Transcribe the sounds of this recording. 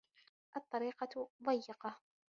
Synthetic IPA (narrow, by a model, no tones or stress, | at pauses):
ʔɑt̪ˤːɑɾiːqɑðˤɑjːɪqɑ